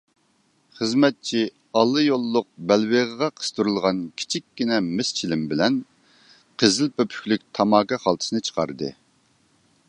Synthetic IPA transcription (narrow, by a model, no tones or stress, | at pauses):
χəzmɛt̪̚t͡ʃʰi | ɑlˠːɨjolˠːʊq̚bɛlweʁəʁɑqʰə̥st̪ʰuɾulˠʁɑnkʲʰi̥t͡ʃʰikʲːinɛmɪst͡ʃʰilɪmbɪlɛn | qʰəzɪlpʰøpʰy̥kʲlykʲt̪ʰɑmɑːkɑχɑlˠt̪ʰɨ̥sɨnɨt͡ʃʰə̥qʰɑ̰ɾɨd̪ɨ̰